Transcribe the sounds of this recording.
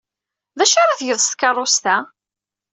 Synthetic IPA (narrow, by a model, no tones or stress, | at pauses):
ðæʃaɾaθjəðˤst̪kɑrˤːost̪æ